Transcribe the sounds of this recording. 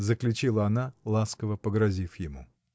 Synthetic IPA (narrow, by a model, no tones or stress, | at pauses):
zəklʲʊt͡ɕilˠəɐnalˠaskəvəpəɡɾɐzʲifjɪmṵ